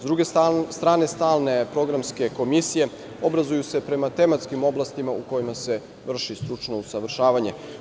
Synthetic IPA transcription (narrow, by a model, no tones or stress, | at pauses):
zd̪ɾuɡest̪ɾaːnest̪aːlne̞pɾo̞ɡɾamske̞ko̞misije̞ | o̞bɾazujuse̞pɾe̞mat̪e̞mat̪skimo̞blˠast̪imauko̞jimase̞ | ʋr̩ʃist̪ɾut͡ʂnousaʋr̩ʃaːʋaɲe̞